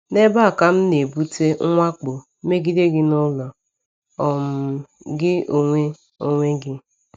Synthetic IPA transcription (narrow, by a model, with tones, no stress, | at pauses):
ne˦ba˦˨ka˦m̩˦ne˨bu˦te˦ŋ̩˦ŋʷa˦k͡po˨˦ | me˦ɡi˦de˦ɡɪ˦nʊ˦lɔ˨ | ɔ˨m̩˨ɡɪ˦o˨ŋʷe˦ | o˨ŋʷe˦ɡɪ˦